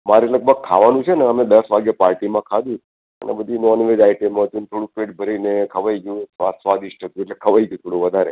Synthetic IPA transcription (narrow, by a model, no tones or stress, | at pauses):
maɾeləɡ̚bʱəɡ̚kʰːaʋanũt͡ʃʰeneəmed̪əsʋaɡjəpaɾʈimãkʰad̪ũ | ə̰nʔḛbəd̪ʱinɔnʋed͡ʒaiʈemət̪ũnet̪ʰoɽũpeʈ̚bʱəɾeinekʰəʋaiɡjũsʋasʋad̪iʃʈ̪ʰət̪jueʈlekʰəʋaiɡjũt̪ʰoɽuʋəd̪ʱaɾḛ